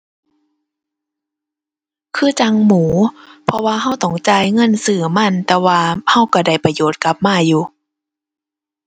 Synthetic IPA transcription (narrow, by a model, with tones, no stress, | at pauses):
kʰɯː˧˩t͡ɕa˧ŋmuː˩˦pʰɔ˧waː˧ɦa˧˩wt̪ɔ˧˩ŋt͡ɕaː˧˨jŋɤ˧˥˨nsɯː˧˩ma˧˥˨nt̪ɛː˧waː˧ha˧˩˨wka˧˩da˧˩jpa˧joː˨˩˦t̪̚ka˧˦p̚maː˧˩˨juː˧˦